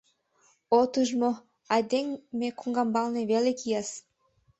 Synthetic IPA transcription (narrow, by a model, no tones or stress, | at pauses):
ot̪əʒmo | ɑd̪eŋmekuŋɡɑmbɑlneβelekijɑs